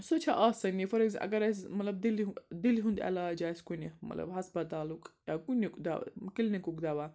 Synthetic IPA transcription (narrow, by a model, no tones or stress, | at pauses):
sot͡ʃʰaʔasɐnifɐɾeɡzʔɐ̰ɡɐɾɐsmɐt̪lɐbd̪ild̪ilɦũnd̪ɐ̰laːd͡ʒaːiskunʲimɐ̰t̪lɐ̰bɦɐspɐt̪aːlukʼjaːkunʲikd̪a̰kilnikukd̪aʋa